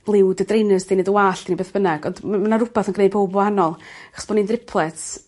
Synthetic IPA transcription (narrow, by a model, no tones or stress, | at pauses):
lˠɪwdədrejnəsdinedəwaːɬd̥inibeːθb̥ənaɡ̥ɔndmmanaɾʊbaθənɡnejd̚b̥ʰowbɔhanɔlˠaχɔ̥sb̥ɔnindrɪpʰlˠɛt